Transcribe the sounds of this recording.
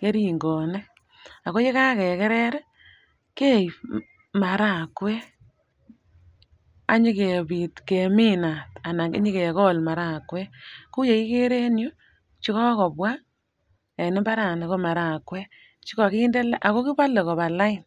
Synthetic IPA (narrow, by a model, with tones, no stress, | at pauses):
ke˦ɾi˨ŋɡɔ˨ne˦ | a˨ko˦je˦ka˦kɛ˨kɛ˦ɾɛ˦ɾ | ke˦˨j | ma˨ɾa˦˨kwɛ˦ | a˦ɲi˦ke˨bi˨tke˨mi˦na˨ta˨na˨kɪ̰˦ɲi˦ke˨kɔ˦lma˨ɾa˦˨kwɛ˦ku˦je˨ki˦ke˦ɾe˦njʊ˦ | t͡ʃi˦kɔ˦kɔ˨pwa˦k | e˨nɪ˦mba˦ɾa˨ne˨ko˦ma˨ɾa˨kwɛ˦ | t͡ʃi˦kɔ˨ki˦nde˦la˦ʔa˨ko˦ki˦pa˦le˨kɔ˨ba˨la˦ɪ˨n